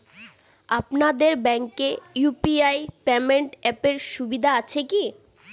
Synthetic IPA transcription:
apnad̪eɾbɛŋkejupiajpemeɳʈɛpeɾʃubid̪ʱaat͡ɕʰeki

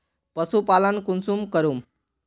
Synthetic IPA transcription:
pʌsupalənkunsumkəɾum

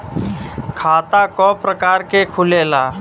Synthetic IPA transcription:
kʰaːt̪akɔːpɾəkaːɾkekʰʊleːlaː

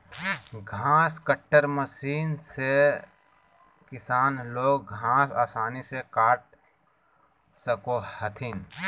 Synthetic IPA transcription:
ɡʱãːskəʈːəɾməsiːnse | kɪsaːnloːɡɡʱãːsaːsaːnisekaːʈ̚ | səkohət̪ʰɪn

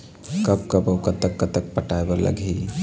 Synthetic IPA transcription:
kəpkəbəkət̪ːəkːət̪ək̚pəʈaebələ̰ɡʱej

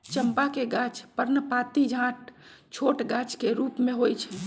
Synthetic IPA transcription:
t͡ʃəmpakeɡat͡ʃpəɾnəpat̪id͡ʒʱãʈt͡ʃʰoʈɡat͡ʃkeɾupmẽɦojt͡ʃʰɛ

